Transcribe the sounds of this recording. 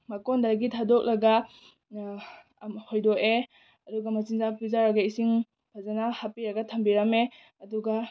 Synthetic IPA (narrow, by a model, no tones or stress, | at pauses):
mɐkɔndaɾɡitʰadɔk̚lɐɡa | hojdɔke | ɐduɡamɐt͡ʃiŋzapizaɾɐɡaisiŋ | pʰazanahapiɾɐɡɐtʰɐmbiɾɐme | ɐduɡa